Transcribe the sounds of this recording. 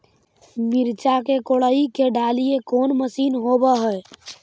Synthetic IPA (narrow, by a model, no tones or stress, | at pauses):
miɾt͡ʃakekoɽəikeɖʱalijekonməsinɦobəɦəj